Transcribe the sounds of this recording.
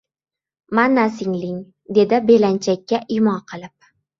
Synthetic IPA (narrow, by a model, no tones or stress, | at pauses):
manasɪŋlɪŋ | d̪e̞d̪ɪbe̞lant͡ʃʰakʲːaʔɪmɒqʰɨlˠɪp̚